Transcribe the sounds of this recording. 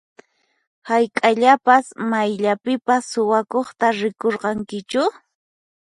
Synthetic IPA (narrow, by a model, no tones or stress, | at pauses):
hajkʼaʎapasmajʎapɪpasːʊwakoχt̪aɾɪkoɾqɑŋkɪt͡ʃʊ